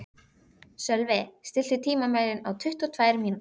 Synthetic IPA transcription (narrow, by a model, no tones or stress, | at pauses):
sœlvɛst̪ɪl̥t̪ɪt̪ʰiːmamaːjɾɪnawt̪ʰʏht̪ɔt̪ʰvaːjɾmiːn